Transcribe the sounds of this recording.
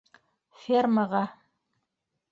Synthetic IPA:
fʲermaʁɑ

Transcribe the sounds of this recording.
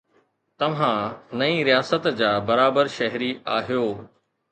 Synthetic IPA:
t̪ɐʋ̤ãnɐĩɾijaːsət̪d͡ʑaːbɐɾaːbəɾʃɐɦɾiaːɦijoː

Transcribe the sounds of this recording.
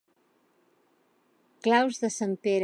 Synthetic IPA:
klawzðəsampeɾ

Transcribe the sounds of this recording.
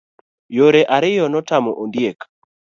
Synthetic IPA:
joɾeʔaɾɪjɔnɔtamɔʔondjek

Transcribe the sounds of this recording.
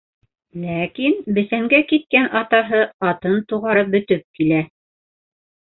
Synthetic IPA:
lækinbɘ̆θæŋɡækit̪̚kænɑt̪ɑɦɤɑt̪ɤnt̪uʁɑɾɤp̚bɵ̆t̪ɘp̚kilæ

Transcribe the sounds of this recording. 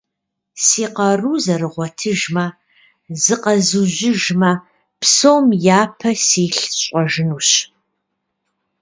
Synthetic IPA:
siːqɐruːzɐrɨʁʷɔtʰɨʒmɐ | zɨqɐzuʑɪʒmɐ | psowmjaːpʰɐsiːɬɕʼɔʒɨnuːɕ

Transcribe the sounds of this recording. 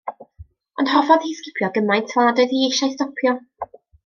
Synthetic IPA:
ʊnd̥hɔfɔðhiskɪpʰjɔɡəmajntʰv̥aːdəðieʃajstɔpʰjɔ

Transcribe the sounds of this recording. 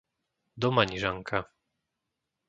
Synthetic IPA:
d̪ɔmaɲiʐaŋkʰa

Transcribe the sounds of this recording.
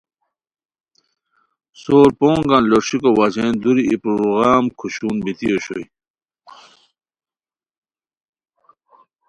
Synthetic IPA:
soːɾpõːŋɡãnloɾɕikowad͡ʑend̪uɾiipɾuɾuɣaːmkʰuɕuːnbit̪ijoɕo̰j

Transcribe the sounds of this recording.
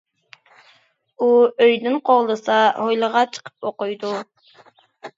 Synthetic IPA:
uøjd̪ɪnqʰoʁlˠɨsɑhojlˠəʁɑt͡ʃʰə̥qʰə̥p̚oqʊjd̪u

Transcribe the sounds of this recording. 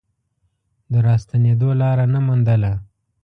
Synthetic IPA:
d̪əɾɑst̪aned̪olɑɾanamund̪əla

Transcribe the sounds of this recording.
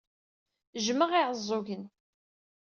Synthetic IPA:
ʒməʁiʕəzˤːʊʝən

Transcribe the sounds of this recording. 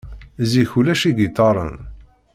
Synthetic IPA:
ziçulæʃiɡit̪ːɑɾˤə̰n

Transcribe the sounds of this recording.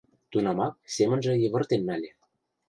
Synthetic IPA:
t̪unɑmɑk̚semə̆nʒĕjɤ̆βɤ̆rt̪enːælʲĕ

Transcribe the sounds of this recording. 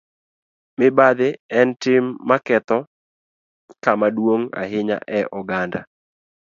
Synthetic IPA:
mɪbad̪ɪɛntɪmːakɛt̪ɔ | kamadwoŋa̰ɦɪɲa̰ʔɛʔɔɡanda

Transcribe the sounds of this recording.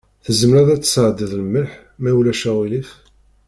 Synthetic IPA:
θəzəmɾæðæt͡sːə̥sʕd̪iðləmːəlħ | mæwlæʃæwilif

